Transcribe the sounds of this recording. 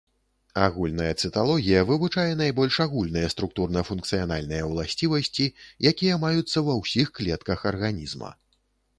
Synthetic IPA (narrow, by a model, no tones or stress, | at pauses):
a̰ɣulʲnɐjɐt̪sɨt̪alˠɔɣʲijɐvɨvut͡ʂajɛn̪ajbɔlʲʂaɣulʲnɨjɐst̪ɾuk̚t̪urnɐfunk̚t̪sɨjan̪alʲnɨjɐwlˠasʲt͡sʲivɐsʲt͡sʲijakʲijɐmajut̪sːɐwɐwsʲixklʲɛt̪kɐxɐrɣanʲizmɐ̰